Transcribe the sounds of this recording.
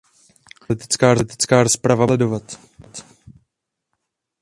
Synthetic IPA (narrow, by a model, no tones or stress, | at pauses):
lɪt̪ɪ̥t͡skaːɾot̪ɪ̥t͡skaːɾospɾavalɛdo̞vat̪ | t̪